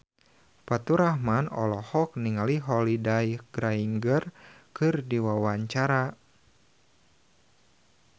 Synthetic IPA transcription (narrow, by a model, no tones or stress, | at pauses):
pat̪uɾahmanɔ̰lɔhɔk̚niŋaliɦɔlidajɡ̥ɾaiŋɡərkɨrdiwawaɲt͡ʃaɾa